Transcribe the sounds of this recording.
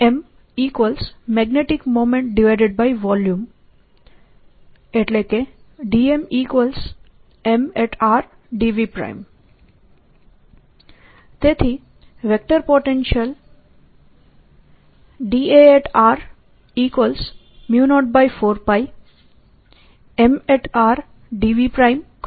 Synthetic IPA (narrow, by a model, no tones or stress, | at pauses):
em | ikʋəlsmɛɡneʈikmoːmẽɳʈ̚ɖiʋaɪɖeɖ̚baɪʋɔljũm | eʈleke | ɖiemiːkʋəls | emeʈʰaɾ | ɖiʋipɾa̰ɪm | t̪et̪ʰi | ʋek̚ʈəɾpoʈẽnʃəl | ɖieeʈʰaɾ | iːkʋəls | mjuːnɔʈ̚bajfoːɾpaj | emeʈʰaɾ | ɖiʋipɾaɪmk